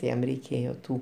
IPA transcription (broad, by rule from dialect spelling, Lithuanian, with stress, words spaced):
tʲɪ ˈjɛm rʲɛɪˈkʲeːjoː ˈtuː